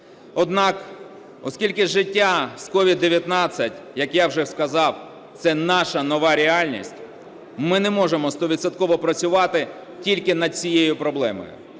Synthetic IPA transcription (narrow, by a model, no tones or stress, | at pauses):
ɔd̪nɑk | ɔskʲilʲkɪʒɪtʲːaskɔʋʲid̪ːeʋʲjɐt̪nɑt͡sʲːɐtʲjɐkjawʒɛskɐzɑw | t̪sɛnɑʃɐnɔʋɑɾʲeɑlʲnʲḭsʲtʲ | mɪnɛmɔʒemɔst̪ɔʋʲid̪sɐt̪kɔʋɔpɾɐt͡sʲʊʋɑt̪ɪ | tʲilʲkɪnɐd̪̚t͡sʲijejʊpɾɔblˠɛmɔ̰jʊ̰